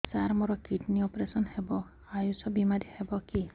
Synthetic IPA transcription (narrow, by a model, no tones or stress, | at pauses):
saɾmɔɾɔkiʈniɔpɾesɔnhebɔ | ajusɔbimaɾihebɔki